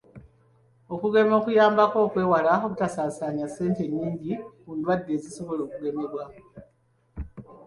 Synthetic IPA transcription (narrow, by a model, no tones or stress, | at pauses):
o̞kuɡe̞mo̞ːkujaːmbako̞ːkwe̞ːwalaoβutasaːsaɲase̞ːnte̞ɲːiːɲɟikuːndwadːe̞ːziso̞βo̞lo̞ːkuɡe̞me̞βwa